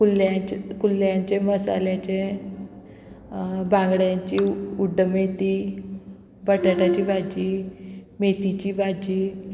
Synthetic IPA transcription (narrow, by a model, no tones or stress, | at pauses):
kuljakuljaɲt͡ɕeməsa̰ljat͡ɕe | bʱãŋɡɽjaɲt͡ɕiuɖʱːəmet̪i | bəʈaʈat͡ɕiːbʱad͡ʑiːmet̪it͡ɕiːbʱad͡ʑiː